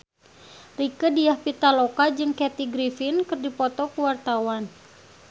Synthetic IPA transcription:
rikədijahpit̪alokad͡ʒɨŋkɛt̪iɡɾifinkɨrdipɔt̪ɔkuwart̪awan

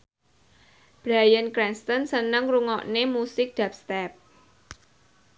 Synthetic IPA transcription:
b̥ɾajənkɾɛnst̪ənsənəŋruŋɔ̰ʔnemusɪk̚d̥ap̚st̪ɛp̚

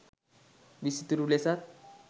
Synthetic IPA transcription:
ʋisit̪uɾulesat̪̚

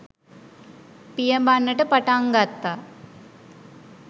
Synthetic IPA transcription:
pijəmbanːəʈəpaʈaŋɡat̪ːa

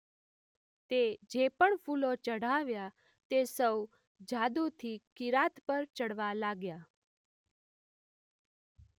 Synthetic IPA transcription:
t̪ed͡ʒepəɳfulot͡ʃəɽ̤aʋja | t̪esəw | d͡ʒad̪ut̪ʰikɪɾat̪pəɾt͡ʃəɽʋalaɡja

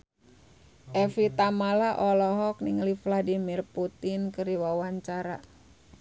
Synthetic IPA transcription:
ʔɛfit̪amalaʔɔlɔɦɔk̚niŋalifladimirput̪inkɨɾiwawaɲt͡ʃaɾa̰

